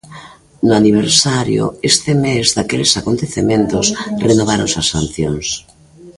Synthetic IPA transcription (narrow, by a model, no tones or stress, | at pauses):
nʊaniβ̞eɾsaɾjo̰est̪emezðakelesakont̪eθemẽnt̪osrenoβ̞aɾo̰nsasanθjoŋs